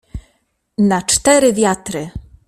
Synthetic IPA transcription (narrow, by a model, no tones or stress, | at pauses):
nat͡ʂt̪ɛɾɘvʲjat̪ɾɘ